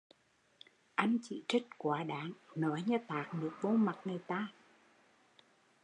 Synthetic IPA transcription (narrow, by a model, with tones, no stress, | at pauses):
ʔa˧mt͡ɕḭ˧˨t͡ɕə˦˥t̚kwaː˨˦ɗaː˨˦ŋnɔ˨˦jɲə˧t̪aː˨˩k̚nɨ˨˩ək̚vo˧ma˨˩t̚ŋɨ˨˩jt̪aː˧˩